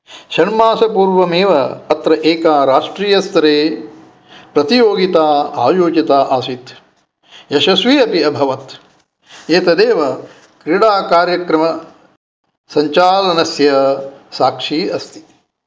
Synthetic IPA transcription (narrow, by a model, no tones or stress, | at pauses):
ʃɐɳmaːsɐpuːɾʋɐmeːʋɐːt̪ɾɐʔeːkaːɾaːʂʈɾiːjɐst̪ɐɾeː | pɾɐt̪ijoːɡit̪aːaːjoːd͡ʒit̪aːʔaːsit̪ | jɐʃɐsʋiɐpiɐbʱɐʋɐt̪ | eːt̪ɐd̪eːʋɐ | kɾiɽaːkaːɾjɐkɾɐmɐ | sɐɲt͡ʃaːlɐnɐsjɐsaːkʂiːɐst̪i̥